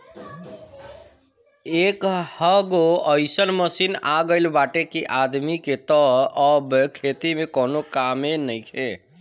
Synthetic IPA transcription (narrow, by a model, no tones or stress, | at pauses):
ekhəɡoəɪsənməsinaɡəɪlbaʈekiʔad̪miket̪ɔəbkʰet̪imẽkonokamenəjkʰe